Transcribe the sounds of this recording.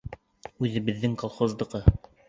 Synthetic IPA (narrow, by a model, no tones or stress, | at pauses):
ʉðɘ̆βɘ̆ðːɘŋkolˠχozd̪ɤ̆ʁɤ